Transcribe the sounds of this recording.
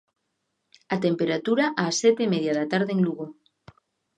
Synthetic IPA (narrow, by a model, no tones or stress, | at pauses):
at̪empeɾat̪uɾaʔaːsɛt̪eimeðjaðat̪aɾðeŋluɣo